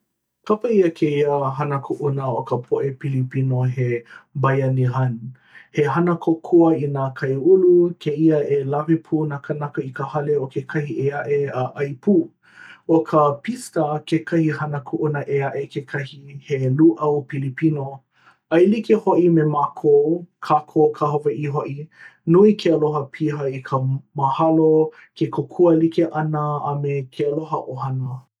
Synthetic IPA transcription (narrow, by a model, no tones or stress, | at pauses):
kʰɐpɐiəkʰeiəɦɐnɐkʰuʔunəokəpʰoʔepilipinoɦebɐjɐniɦɐn | heɦɐnɐkʰokʰuəinaːkʰɐjulukʰeiəelɐvipʰunakɐnɐkɐikəhɐleokʰekʰɐhieɐʔeaʔɐjpuː | okʰəpistəkekʰɐhihɐnəkʰuʔunəʔeaʔekʰekʰɐhiheluʔɐwpilipino | ɐjlikehoʔimemakʰowkʰakʰokʰahovɐʔiɦoʔinuikʰeɐloɦəpʰiɦɐikʰəmɐhɐlo | kekʰokʰuəlikeʔɐnəːmekʰeɐloɦɐʔohɐnə